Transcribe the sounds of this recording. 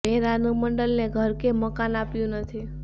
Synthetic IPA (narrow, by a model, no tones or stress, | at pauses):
eɾanuməɳɖəlneɡʱəɾkeməkanapjũnət̪ʰi